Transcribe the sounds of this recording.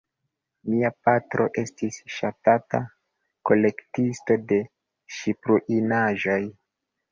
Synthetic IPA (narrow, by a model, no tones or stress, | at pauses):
miapatɾʔo̞ʔe̞stisʃatata̰ | ko̞le̞ktisto̞de̞ | ʃipɾuʔinaʒo̞j